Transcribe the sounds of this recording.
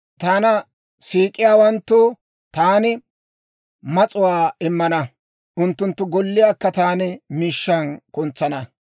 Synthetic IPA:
t̪aːnɐ | siːkʼɪjaːwɐnt̪ːoː | t̪aːnɪ | mɐt͡sʼʊwaːɪmːɐnɐ | ʔʊnt̪ːʊnt̪ːʊɡɔlːɪjaːkːɐt̪aːnɪmiːʃːɐnkʊnt͡sːɐnɐ

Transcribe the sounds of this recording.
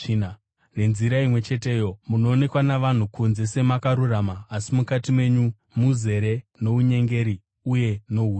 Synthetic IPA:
n | re̞nziɾaimwe̞t͡ʃe̞te̞jo̞muno̞ːne̞kwanaʋan̤ukunze̞se̞makaɾuramaːsimukatimwe̞ɲu | muze̞ɾe̞no̞uɲe̞ŋɡe̞ɾi | uje̞no̞ɦuː

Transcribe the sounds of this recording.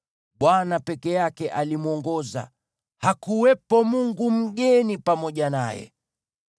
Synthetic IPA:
ɓwanapɛkɛjakɛʔalimuɔŋɡɔza̰ | hakuwɛpɔmuŋɡum̩ɠɛnipamɔʄana̰jɛ̰

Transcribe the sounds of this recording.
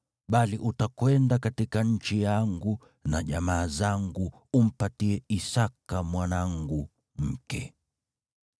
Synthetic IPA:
ɓaliʔutakwɛndakatikaɲ̩t͡ʃijaŋɡu | naʄamaːzaŋɡu | um̩patiɛisakamwanaŋɡu | m̩kɛ̰

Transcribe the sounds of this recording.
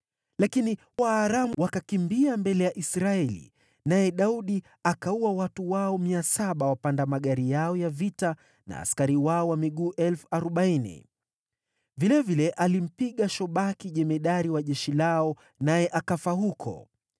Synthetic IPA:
lakini | waːɾamuwakakimbiambɛlɛjaʔisɾaɛlḭ | najɛɗauɗi | akauwawatuwaɔmiasaɓawapandamaɠaɾijaɔjavita | na̰ːskaɾiwaɔwamiɠuːʔɛlfu̥aɾɔɓainḭ | vilɛvilɛʔalim̩piɠaʃɔɓakiʄɛmɛɗaɾiwaʄɛʃilaɔ | najɛʔakafahukʰɔ̰

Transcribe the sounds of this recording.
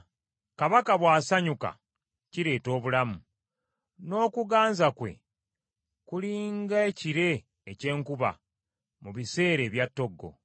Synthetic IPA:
kaβakaβwaːsaɲuka̰ | ciɾe̞ːto̞ːβulamu | no̞ːkuɡaːnzakwe̞̰ | kuliːŋɡaeciɾe̞ː | ce̞ːŋkuβa̰ | muβise̞ːɾe̞ːβjatːo̞ɡːo̞̰

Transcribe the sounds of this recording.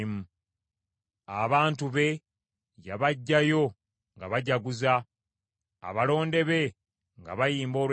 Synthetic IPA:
mu | aβaːntuβe̞ | jaβaɟːajo̞ | ŋɡaβaɟaɡuza̰ː | βalo̞ːnde̞βe̞ | ŋɡa̰βajiːmbo̞ːlw

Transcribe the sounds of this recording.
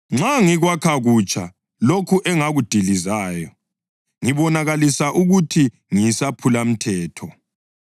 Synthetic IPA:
ŋ͡ǁaŋiɣwakʰaɣut͡ʃʰʼa | lokʰuʔɛŋaɣud̥ʱilizaːjɔ | ŋiβɔnaɣalisaʔuɣutʰi | ŋisapʰulam̩tʰɛːtʰɔ

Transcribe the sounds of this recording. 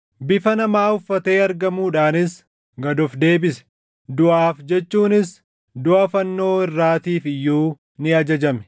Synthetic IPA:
bɪfɐnɐmaːʊfːɐt̪e̞ːɐɾɡɐmuːᶑaːnɪs | ɡɐd̪ɔfd̪e̞ːbɪsɛ̥ | d̪ʊʔaːfd͡ʒɛt͡ʃːuːnɪs | d̪ʊʔɐfɐnːo̞ːɪrːaːt̪iːfɪjːuː | nɪɐd͡ʒɐd͡ʒɐmɛ̥

